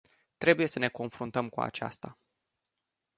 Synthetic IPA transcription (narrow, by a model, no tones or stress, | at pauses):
t̪ɾe̞buje̞səne̞ko̞nfɾunt̪əmkua̰t͡ʃa̰st̪a